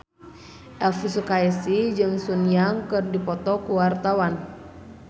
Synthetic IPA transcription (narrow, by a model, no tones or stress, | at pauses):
ʔɛlfusukaɛsid͡ʒɨŋsunijaŋkɨrdipɔt̪ɔkuwart̪awan